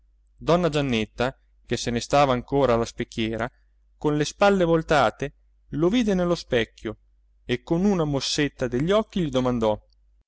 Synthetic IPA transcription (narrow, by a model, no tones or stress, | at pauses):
d̪ɔnːad͡ʒanːet̪ːa | kesenest̪aːvaːŋkoːɾaːlaspekːjɛːɾa | konlespalːevolt̪aːt̪e | loviːd̪enelːospɛkːjo | ekːonunamosːet̪ːad̪eʎːɔkːiʎid̪omand̪ɔ